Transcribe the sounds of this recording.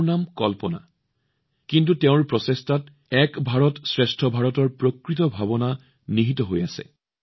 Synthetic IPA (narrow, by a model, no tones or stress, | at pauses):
namkɔlpɔna̰ | kint̬uteʊ̃ɹpɹɔsestat | ɛkbʱaɹɔtsɹestʰɔbʱaɹɔtɔɹpɹokɹitɔbʱaβɔna | niɦitɔɦojasɛ̰